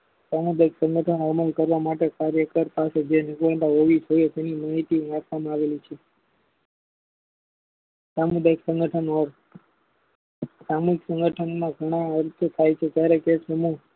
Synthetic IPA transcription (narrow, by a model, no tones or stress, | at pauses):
samud̪aiksə̃ŋɡəʈʰənaməlkəɾʋamaʈekaɾjəkəɾpased͡ʒenɪkʋəɳt̪aɦoʋit̪ʰəjot̪enimaːɦit̪iapʰʋamãaʋelit͡ʃʰe | samud̪ajksə̃ŋɡəʈʰənɔɾ | samuɦiksə̃ŋɡəʈʰənmãɡʱəɽ̃ãəɾt̪ʰt̪ʰajt͡ʃʰet̪jaɾekesəmu